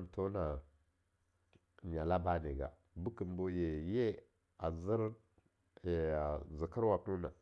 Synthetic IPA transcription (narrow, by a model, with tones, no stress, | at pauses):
n˨to˦na˨ | ɲa˨la˦ba˦ne˨ɡa̰˨ | bu˦ki˨mbo˦je˨je˦ | a˨zi˦ɾ | zi˨kə˦ɾwa˨tu˦na̰˨